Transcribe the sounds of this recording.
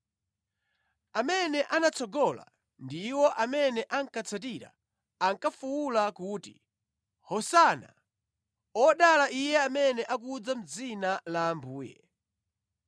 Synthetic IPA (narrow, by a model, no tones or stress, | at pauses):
amɛnɛʔanat͡sʰɔɡɔla̰ | ndiwɔʔamɛnɛʔaŋkat͡sʰat̬iɾa̰ | aŋkafuwulakuːti | hɔsana̰ | ɔɗalaʔijɛamɛnɛʔak̬ud͡zam̩d͡zinalaːmbuːjɛ̰